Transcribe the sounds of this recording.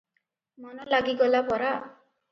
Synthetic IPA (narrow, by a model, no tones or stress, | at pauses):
mɔnɔlaɡiɡɔlapɔɾa